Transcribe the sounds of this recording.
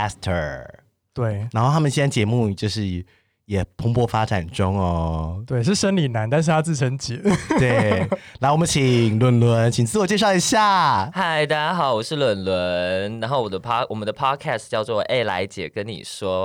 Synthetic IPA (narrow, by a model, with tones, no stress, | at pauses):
stʰə˨˩ | t̪we˥˩ɪa˧˥nxt̪ʰa˥mə˨˩ɕi˥n˥˩t͡ɕjɛ˧˥mu˥˩t͡ɕjo˥˧ʊʂɻ̩˥˩ | jɛ˨˩pʰʊ˧˥ŋpʰwɔ˥fa˥ʈ͡ʂa˨˩nʈ͡ʂʊ˥ŋə˨t̪we˥˩ɪʂ̬ɻ̩˥˩ʂə˥nli˨˩na˧˥nt̪a˥˧nʂ̬ɻ̩ʰ˥˩a˥t͡sɹ̩˥˩ʈ͡ʂʰə˧˥nt͡ɕi˨˦twe˥˩ɪla˧˥ɪwɔ˨˩mə˦nt͡ɕʰi˨˩ŋlwə˨˩nlwə˧˥nt͡ɕʰi˨˩ŋt͡sɹ̩˥˧wɔ˨˩t͡ɕjɛ˥˧ʂ̬ɑ˥˩ʊi˧˥ɕja˥˩ha˥˩ɪt̪a˥˩t͡ɕa˥xɑ˨˩ʊwɔ˨˩ʂɻ̩˥˩˨lwə˨˩nlwə˧˦nna˧˥nxo˥˩ʊwɔ˨˩d̪ə˦pʰwɔ˨˩mə˨˦nd̪ə˧pʰɑ˥kʰɛ˥˩stt͡ɕjɑ˥˧ʊt͡swɔ˥˩ʔe˥˩ɪla̰˧˥ɪt͡ɕjɛ̰˨˩˦kə˥nḭ˨˩ʂwɔ˥